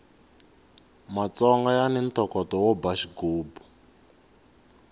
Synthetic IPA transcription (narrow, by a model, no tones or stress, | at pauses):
mat͡sɔŋɡajanen̩tʰɔkɔtɔwɔbaʃiɡoːbu